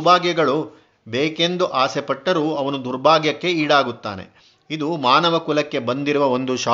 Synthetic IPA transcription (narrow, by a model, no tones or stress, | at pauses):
bʱaːɡjɐɡɐɭu | beːke̞nd̪uʔaːsepɐʈːɐɾuːɐʋɐnud̪uɾbʱaːɡjɐkːe̞iːɽaːɡut̪ːa̰ːne̞̰ | id̪umaːnɐʋɐkulɐkːe̞bɐnd̪iɾuʋɐo̞nd̪uʃaː